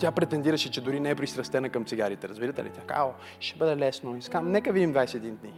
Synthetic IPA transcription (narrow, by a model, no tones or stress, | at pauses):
t̪ʲjapɾɛt̪ɛnd̪iɾəʃɛt͡ʃɛd̪ʊɾinɛɛpɾist̪ɾɐst̪ɛnɐkɐmt̪siɡaɾit̪ɛɾɐzbiɾɐt̪ɛlḭt̪ʲjaka̰o | ʃɛbɤd̪ɛlɛsnoiskamnɛkəvid̪imd̪vajsɛd̪ind̪ni